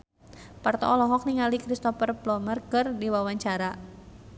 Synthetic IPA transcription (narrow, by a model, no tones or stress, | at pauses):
part̪ɔ̰ɔlɔɦɔk̚niŋalikɾist̪ɔfərblɔmərkərdiwawaɲt͡ʃaɾa